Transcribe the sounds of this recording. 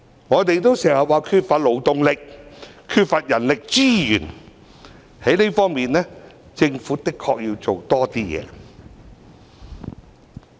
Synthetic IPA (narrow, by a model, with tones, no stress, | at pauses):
ŋɔː˨˧t̪e˨jt̪o˥wsɛː˨˩hɐ˨waː˨kʰyː˧t̚fa˨t̚lo˨˩wt̪ʊ˨ŋlɪ˨k̚ʰyː˧t̚fa˨t̚jɐ˨˩nlɪ˨k̚t͡siː˥jyː˨˩n | he˨˥jne˥fɔː˥ŋmiː˨nlɛː˥ | t͡sɪ˧ŋfuː˨˥t̪ɪ˥kʰːɔː˧k̚ji˧wt͡so˨wt̪ɔː˥t̪iː˥jɛ̰ː˨˧